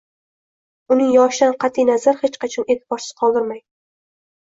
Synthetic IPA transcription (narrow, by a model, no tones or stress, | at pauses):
ʊnɪŋjɒʃɪd̪anqʰɑt̪ʰijnazaɾhet͡ʃqɑt͡ʃʰɒne̞t̪ʰɪbɒɾsɪ̥z̥qʰɒlˠd̪ɪɾmaj